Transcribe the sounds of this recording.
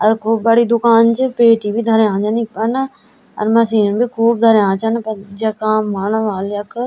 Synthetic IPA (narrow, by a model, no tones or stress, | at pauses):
ɐɾkʰuːbbɐɽid̪ʊkaːnd͡ʑɪpeːʈibid̪ʱɐɾãːt͡ʃɐnipɐn | ɐ̰ɾmɐsiːnəbikʰuːb̚d̪ʱɐɾjãːt͡ʃɐnpɐɾd͡ʒɐkãːmmaːɳ̃ʋaːlɐkʰ